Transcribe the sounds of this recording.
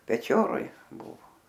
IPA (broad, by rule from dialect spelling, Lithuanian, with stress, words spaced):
pʲɛˈt͡ʃʲoːroːj ˈbʊʋoː